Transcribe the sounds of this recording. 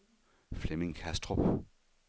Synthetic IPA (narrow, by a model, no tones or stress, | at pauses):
flemɪŋkʰæsd̥ʁo